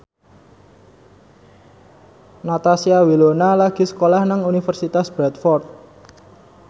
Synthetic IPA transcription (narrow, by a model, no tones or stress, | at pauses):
nat̪asiawilonalaɡ̥i̤sə̥kolahnaŋunifərsit̪asb̥ɾɛt̪fɔrt̪̚